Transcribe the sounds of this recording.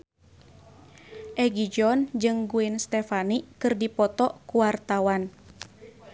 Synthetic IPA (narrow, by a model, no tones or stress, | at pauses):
ʔɛɡid͡ʒɔnd͡ʒɨŋɡuɪnst̪ɛfanikɨrdipɔt̪ɔkuwart̪awan